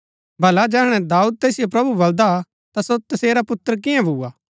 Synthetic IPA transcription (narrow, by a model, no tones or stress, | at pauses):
bʱɐlad͡ʒɛːɦɽ̃ɛ̃d̪aːuːd̪̚t̪eːsɪjopɾɐbubɐld̪a | t̪asot̪ɐseːɾapʊt̪ːəɾk̬ɪjãbʱuːaː